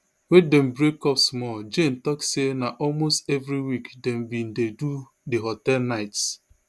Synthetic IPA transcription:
wedem̩bɾekɔpsmɔd͡ʒen̩tɔksenaʔɔlmostevɾiwikdɛmbĩn̩dedu | diɦotɛlnaɪts

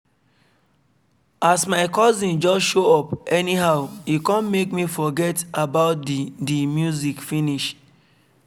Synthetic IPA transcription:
asmaɪkɔzĩnd͡ʒɔsʃoɔpɛniɦaʊikɔ̃nmekmifɔɡɛtabaʊt̚ddimjuzikfiniʃ

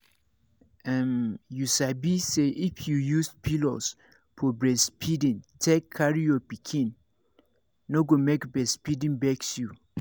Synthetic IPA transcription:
ɛ̃mjusabiseʔifjujuspʰilos | pʰɔbɹɛspʰidĩntʰekʰːaɹijɔpikʰĩn | oɡomekbɹɛspidĩnbɛksju

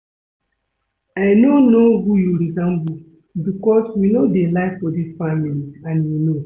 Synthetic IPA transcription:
aɪnonoɦujuɾizãmbu | bikɔswinodelaɪfɔdisfamiliãnwino

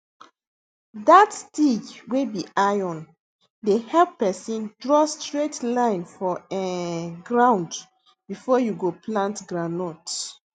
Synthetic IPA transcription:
datstid͡ʒwebiʔajɔ̃n | dehɛlppɛsĩndɹɔstɹetlãɪ̃nfɔɛɡɹãʊ̃nd | bifɔjuɡoplãntɡɹanɔt

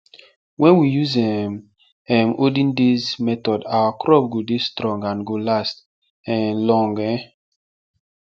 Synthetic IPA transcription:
wɛ̃nwijuzɛm | ɛmodĩndezmɛtɔdawakɾɔpɡodestɾɔ̃ŋɡãnɡolast | ɛ̃nlɔ̃ŋɡɛ

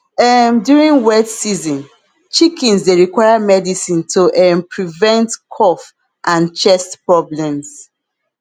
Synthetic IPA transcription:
ɛmdjuɹĩnwɛtsizɔ̃n | t͡ʃikʰĩnsdeɹikwaɪjamɛdisĩntʰuʔɛmpɹivɛ̃ntkʰɔf | ʔãnt͡ʃɛstpɹɔblɛ̃ms

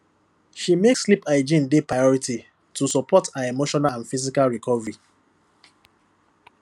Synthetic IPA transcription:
ʃimekslipaɪd͡ʒĩndepɹajɔɹiti | tusɔpʰɔtaemoʃɔnãnfizikalɹikʰɔvɹi

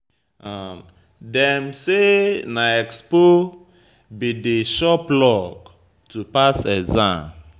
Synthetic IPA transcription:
a | dɛ̃msenaɛkspo | bideʃɔplɔk | tupasɛzãm

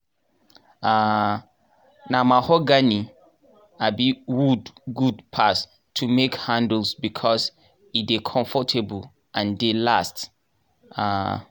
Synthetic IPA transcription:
a | namahɔɡani | abiwudɡudpʰas | tʰumekhãndl̩sbikʰɔs | idekʰɔ̃ɱfɔtʰebəl | ʔãndelast | a

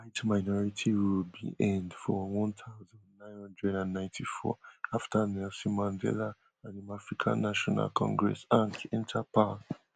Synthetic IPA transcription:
wajtmaɪnɔɹitʰiwilbḭʔɛ̃ndfɔwɔ̃nθaʊzãndnãj̃nhɔ̃ndɹɛdãnːãj̃ntʰifɔ̰aftʰanɛlsimãndɛ̰la | ãnĩmafɹikʰã̰nːaʃɔna̰lkʰɔ̰̃ŋɡɹɛ̰sãŋkɛ̃ntʰapa

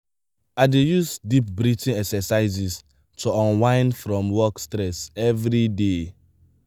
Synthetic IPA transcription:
aɪdejusdip̚bɹitĩnɛksɛsaɪzis | tʰoɔ̃nwãɪ̃nfɹɔ̃mwɔkstɹɛsɛvɹide

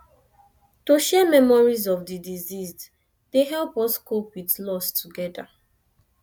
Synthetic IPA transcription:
toʃɛmɛmɔɹizɔfdidiziz | deɦɛlpɔskopwidlɔstʰuɡɛda̰

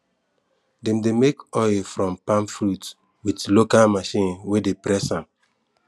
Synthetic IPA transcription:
dɛ̃mdemekɔɪlfɹɔ̃mpãmfɹut | witlokalmaʃĩnwedepɾɛsãm

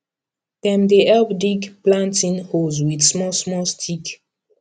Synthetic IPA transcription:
pɛ̃mdeɛlpdiɡplãntĩnhozwidsmɔsmɔstʰik

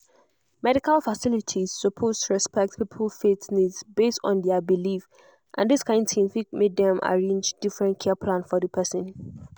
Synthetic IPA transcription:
mɛɾikalfasilitʰiz̥səpʰostʰuɹɛspɛk̚t̚pʰipʰəlfetnitsbestɔ̰̃ndɛəbilif | ʔã̰ndiskʰãɪ̃ndtʰĩmfikmek̚dɛ̃ma̰ɹẽnd͡ʒd̥ifɹɛ̃ntkʰɛəpʰlãnfɔðəpʰɛsə̃n

